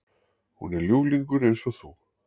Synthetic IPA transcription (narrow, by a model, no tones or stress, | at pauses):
hṵnɛɾljuːwliŋkʏɾejnsɔθu